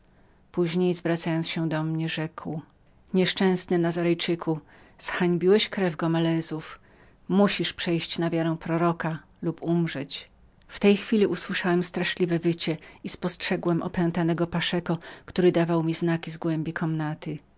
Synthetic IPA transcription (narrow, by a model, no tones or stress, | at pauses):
puʑɲejzvɾat̪sajɔnsɕɛd̪ɔmɲɛʐɛkw | ɲɛʂt͡ʂɛ̃w̃snɘnazaɾɛjt͡ʂɘkʰu | sxaɲbʲiwɛɕkɾɛvɡɔmɛlɛzuf | muɕiʂpʂɛjɕt͡ɕnavʲjaɾɛ̃w̃pɾɔɾɔka | lupumʐɛt͡ɕ | ft̪ɛjxfʲilʲiʔuswɘʂawɛmst̪ɾaʂlʲivɛvɘt͡ɕɛispɔstʂɛɡwɛmʔɔ̰pɛnt̪anɛɡɔpaʂɛkɔkt̪uɾɘd̪avawmʲiznakʲizɡwɛmbʲikʰɔmnat̪ɘ